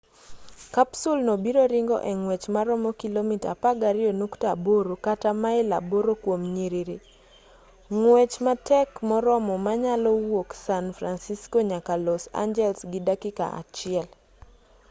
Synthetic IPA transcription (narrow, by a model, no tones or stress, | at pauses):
kapsulnobiɾoɾiŋɡɔ̰ʔeŋwɛt͡ʃmaɾɔmɔkilomita̰paɡaɾɪonuktaboɾokatamaɛla̰boɾokwomɲiɾiɾi | ŋwɛt͡ʃmatɛkmɔɾɔmɔmaɲalɔwoksanfɾansiskoɲakalɔsa̰ɲd͡ʒɛlsɡɪdakɪka̰ʔa̰t͡ʃɪɛl